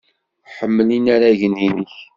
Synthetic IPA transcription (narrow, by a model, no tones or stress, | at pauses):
ħəmːəlinæɾæʝəniniç